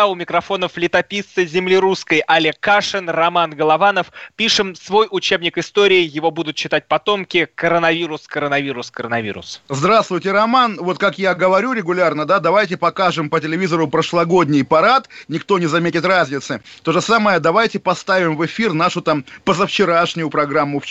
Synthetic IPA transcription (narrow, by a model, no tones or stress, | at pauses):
ʊmʲɪkɾɐfo̞nəflʲɪt̪ɐpʲit̪ːɨzʲɪmlʲɪɾuskəjʔɐlʲɪkːaʂɨnrɐmanɡəlˠɐvanəfpʲiʂɨmsvo̞jʔʊt͡ɕebnʲɪkɪst̪o̞ɾʲɪːjɪvo̞bud̪ʊt̪̚t͡ɕːɪt̪at̚ʲpɐt̪o̞mkʲɪkəɾənɐvʲiɾʊskəɾənɐvʲiɾʊskəɾənɐvʲḭɾʊ̰szd̪ɾast̪vʊjtʲɪɾɐmanvo̞t̪kakjaɡəvɐɾʲuɾʲɪɡʊlʲarnəd̪ad̪ɐvajt̬ʲɪpɐkaʐɨmpətʲɪlʲɪvʲizəɾʊpɾəʂlˠɐɡo̞dʲnʲɪjpɐɾat̪nʲɪkt̪o̞nʲɪzɐmʲetʲɪt̪razʲnʲɪt̪sɨt̪o̞ʐəsaməjəd̪ɐvajtʲɪpɐst̪avʲɪmvɨfʲirnaʂʊt̪ampəzəft͡ɕɪɾaʂnʲʊjʊpɾɐɡɾamːʊf